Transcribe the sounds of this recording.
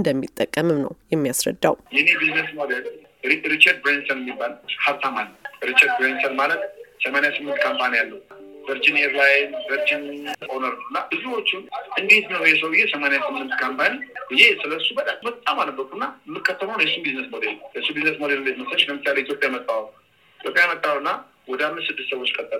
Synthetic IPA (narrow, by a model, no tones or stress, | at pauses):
nd̪əmːit̪ʼːəkʼːəmɨmnə̰wjɛmːijasɾə̰d̪ːawjɛnebiznesmod̪el | ɾit͡ʃːəɾd̪̚bɾensənɨmːibːalhaβt̪amalːəɾit͡ʃːəɾd̪̚bɾensənmalət̪̚səmanjasɨmːɨnt̪̚kʰampʰanijalːəwuvəɾd͡ʒɪneɾlajnvəɾd͡ʒɪnʔonəɾnəwɨnːabɨzuwo̞t͡ʃːɪnʔɨnd̪e̞t̪nəwjɛs̬əwbɨjːesəmanjasɨmːɨnt̪kʰampʰaniɨjesɨləsːubət̪ʼammət̪ʼːamalːəbːəkʼuɨnːamːɨkːət̪ʰːələownjɛsubiznəsmod̪eljɛsubiznəsmod̪ellːəd͡ʒməsət͡ʃːləmɨsːaleit̪ʰjo̞pʼjajmət̪ʼːaw | it̪ʰjopʼjajmət̪ʼːawɨnːa | wɔd̪əamːɨssɨd̪ːɨst̪səwo̞t͡ʃːkʼət̪ʼːəl